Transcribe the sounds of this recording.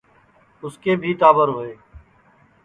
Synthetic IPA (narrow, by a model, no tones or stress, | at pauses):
ʊskeːbʱiːt̪aːbəɾɦoːeː